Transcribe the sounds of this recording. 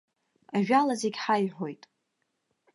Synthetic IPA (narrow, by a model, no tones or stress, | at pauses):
aʒᶣalazeɡʲħajħo̞jtʼ